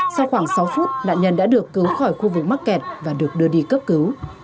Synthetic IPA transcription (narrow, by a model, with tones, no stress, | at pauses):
sa˧wxwaː˧˩ŋsa˨˦wfu˦˥t̚na̰ː˧˨nɲə˧nɗa̰ː˧˥ɗɨ˨˩əkːɨ˨˦wxɔ˧˩jxu˧vɨ˨˩k̚ma˦˥t̚kɛ˨˩t̚vaː˨˩ɗɨ˨˩ək̚ɗɨ˧əɗi˧kə˦˥p̚kɨ˨˦w